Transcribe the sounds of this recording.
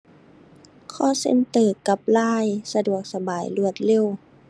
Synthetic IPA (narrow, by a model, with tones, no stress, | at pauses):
kʰɔː˧˥˨sḛ˧˥˨nt̪ɤː˨˩ka˧˦p̚laː˧˥˩jsa˧du˨˩ək̚sa˧baː˨˩jlu˧˩ət̪̚le˧˥˨w